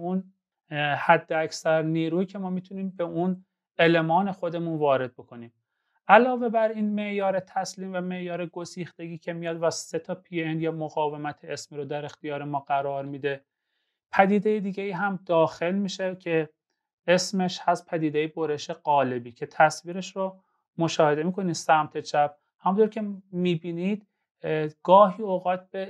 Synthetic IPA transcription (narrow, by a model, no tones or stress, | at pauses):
un | hæd̪ːeæcsæɾniːɾuːiːcʰemɒːmiːt̪ʰuniːmbeun | elemɒːne̞xo̞d̪e̞munvɒːɾe̞d̪̚bo̞kʰo̞niːm | ʔælɒːve̞bæɾiːnme̞ʔjɒːɾet̪ʰæsliːmvæme̞ʔjɒːɾeɡosiːxt̪e̞ɡiːcʰe̞mijɒːd̪væse̞t̪ʰɒːpʰienjemoɣɒːve̞mæt̪ʰeesmiːɾod̪æɾe̞xt̪ijɒːɾemɒːɣæɾɒːɾmiːd̪e̞ | pʰæd̪iːd̪ejed̪iːɟeiːɦæmd̪ɒːxe̞lmiːʃecʰe | esmeʃhæst̪̚pʰæd̪iːd̪ejebo̞ɾe̞ʃe̞ɢɒːle̞biːcʰe̞t̪ʰæsviːɾeʃɾo | mo̞ʃɒːhe̞d̪e̞miːkʰo̞niːd̪sæmt̪ʰet͡ʃʰæb̥̚ | hæmunt̪ʰoɾcʰe̞miːbiːnid̪̥ | ɡ̥ɒːɦiːoɣɒːt̪̚be